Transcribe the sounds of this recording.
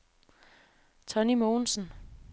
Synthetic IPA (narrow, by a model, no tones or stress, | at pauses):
t͡sʰɒ̽nimo̝ːnsn̩